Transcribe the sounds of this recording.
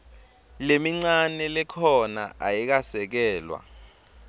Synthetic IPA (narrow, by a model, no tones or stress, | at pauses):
lemiŋ͡ǀanɛlɛkʰɔna̰ajik̬asɛk̬ɛːlwa̰